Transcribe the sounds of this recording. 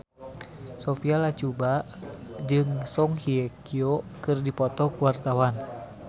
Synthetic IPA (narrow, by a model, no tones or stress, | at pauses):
sofialat͡ʃuba | d͡ʒɨŋsɔŋhiɛkiokɨrdipɔt̪ɔkuwart̪awan